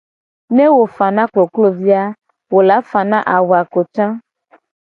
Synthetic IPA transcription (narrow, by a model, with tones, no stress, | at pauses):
nẽ˦wo˨fa˨nã˦klo˨klo˦vi˦a˦ | wo˨la˨˦fa˨nã˦ʔa˨wu˨a˨ko˨t͡ʃã˦